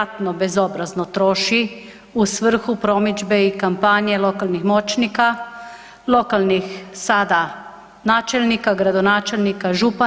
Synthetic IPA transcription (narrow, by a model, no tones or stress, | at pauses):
t̪nɔbɛzoːbɾaznɔt̪ɾoːʃi | usʋəɾ̩xupɾoːmid͡ʒbɛikampaːnjɛloːkalnixmoːt͡ʃnika | lokalnixsaːd̪a | naːt͡ʃɛlnikaɡɾad̪ɔnaːt͡ʃɛlnikaʒupa